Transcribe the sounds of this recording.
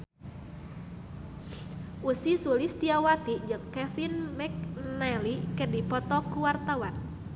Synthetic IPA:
ʔusisulist̪iawat̪id͡ʒəŋkɛfinmɛk̚nɛlikədipɔt̪ɔkuwart̪awan

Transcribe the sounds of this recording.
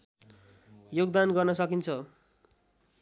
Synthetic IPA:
joɡd̪anɡʌrnʌsʌkint͡sʰʌ

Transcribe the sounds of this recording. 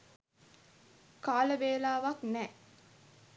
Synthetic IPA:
kaːləbeːlaːʋaknɛː

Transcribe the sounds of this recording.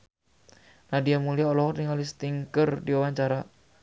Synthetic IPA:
nadiamuliaɔlɔɦɔrniŋalist̪iŋkərdiwawaɲt͡ʃaɾa

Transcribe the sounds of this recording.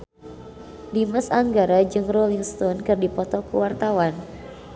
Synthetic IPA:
diməsaŋɡaɾad͡ʒɨŋrɔliŋst̪ɔnkɨrdipɔt̪ɔkṵwart̪awan

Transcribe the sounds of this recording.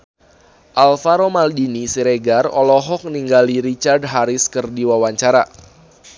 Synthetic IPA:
ʔalfaɾomaldinisiɾeɡarɔ̰lɔɦɔk̚niŋɡaliɾit͡ʃard̚ɦaɾɪskɨrdiwawaɲt͡ʃaɾa

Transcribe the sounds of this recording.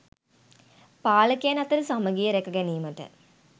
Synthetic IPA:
paːləkeanɐt̪əɾəsaməɡijəɾekɐɡɛniːməʈə̰

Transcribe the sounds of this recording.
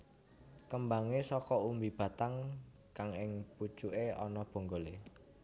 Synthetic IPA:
kəmbaŋesɔkɔumbib̥ä̤t̪aŋ | kaŋɪŋput͡ʃuʔeɔ̰nɔb̥o̤ŋɡole

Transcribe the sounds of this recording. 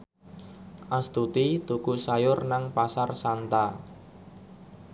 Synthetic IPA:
ʔast̪ut̪it̪ukusajʊrnaŋpasarsant̪a

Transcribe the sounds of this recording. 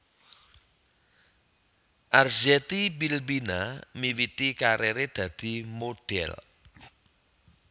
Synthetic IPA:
ʔarzɛt̪ibilbinamiwit̪ikaɾeɾed̪̥ä̤d̪̥i̤moɖ̥ɛ̰l

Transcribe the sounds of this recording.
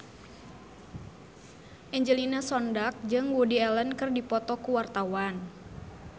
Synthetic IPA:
ʔɛɲd͡ʒəlinasɔndak̚d͡ʒɨŋwudiɛlənkɨrdipɔt̪ɔkuwart̪awan

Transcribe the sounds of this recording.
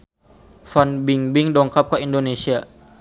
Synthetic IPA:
fanbiŋbiŋdɔŋkap̚kəindonesia

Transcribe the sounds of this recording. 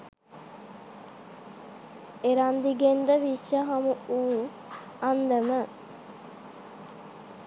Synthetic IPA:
eɾand̪iɡend̪əʋiʃaɦamuuː | and̪əmə

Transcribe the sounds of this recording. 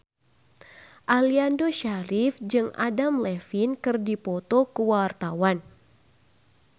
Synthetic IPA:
ʔaliandoʃaɾifd͡ʒɨŋa̰damlɛfinkɨrdipɔt̪okəwart̪awan

